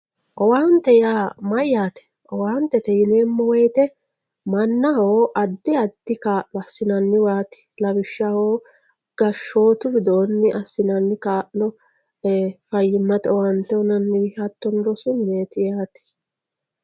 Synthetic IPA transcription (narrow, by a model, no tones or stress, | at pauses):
ʔɔwaːnt̪ːɛjaːmɐjjaːt̪ɛ̥ | ʔɔwaːnt̪ːɛt̪ɛjɪneːmːɔwɛjt̪ɛ | mɐnːɐhoːʔɐd̪ːɪɐd̪̥ːɪkaːʔnɔɐsːɪnɐnːɪwaːt̪ɪ̥lɐbɪʃːahoː | ɡ̥ɐʃːo̞ːt̪ʊbɪd̪oːnːɪʔɐsːɪnɐnːɪkaːʔnɔ | fɐjːɪmːɐt̪ɛɔwant̪ːɛɔnɐnːɪwɪɐt̪ːɔnɾɔsʊnneːt̪ɪjaːt̪ɪ̥